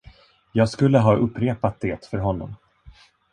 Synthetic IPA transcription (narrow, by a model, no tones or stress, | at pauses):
jɑːɡskɵlːəɦɑːʔɵpːɾeːpat̪̚d̪eːt̪fœɾɦɔnːɔ̰m